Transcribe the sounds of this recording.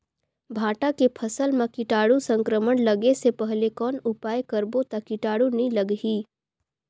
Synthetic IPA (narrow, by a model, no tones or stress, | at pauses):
bʱaːʈakepʰɐsəlmãkɪʈaːɽusə̃ŋkɾəmənləɡesepɛɦlekɔːnʊpaːjkɐɾbot̪akɪʈaːɽunĩləɡɦiː